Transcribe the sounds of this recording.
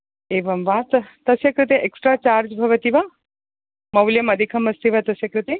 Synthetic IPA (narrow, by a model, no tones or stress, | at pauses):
eːʋɐmʋat̪t̪ɐsjɐkɾɨt̪̬eʔeksʈɾaːt͡ʃaːɾd͡ʒbʱɐʋɐt̪iʋa | mɐwljɐmɐd̪ʱikʰɐmɐst̪iʋat̪ɐsjɐkɾɨt̪e